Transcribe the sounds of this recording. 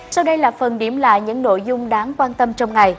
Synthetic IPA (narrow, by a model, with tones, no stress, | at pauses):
sa˧wɗə˧jlaː˨˩fə˨˩nɗi˧˩əmla̰ː˧˨jɲɨ̰˧˥ŋno̰˧˨jzʊ˧ŋ͡mɗaː˨˦ŋkwaː˧nt̪ə˧mt͡ɕɔ˧wŋ͡mŋa˨˩j